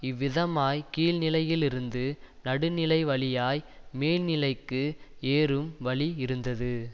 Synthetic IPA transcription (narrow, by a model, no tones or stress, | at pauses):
ɪʋːɪðɐmaːjkiːlnɪlɐjɪlɪɾɯnd̪ɯnɐɽɯnɪlɐɪʋɐɭɪjaːjmeːlnɪlɐɪkːɯeːɾɯmʋɐɭiɪɾɯnd̪ɐðɯ